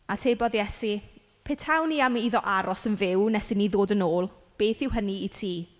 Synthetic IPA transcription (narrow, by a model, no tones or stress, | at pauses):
atʰebɔðjɛsi | pʰeːtʰhawniamiðɔʔaɾɔsənvɪwnɛsɪniðoːdənoːlˠ | b̥eːθɪwɦəniːtʰiː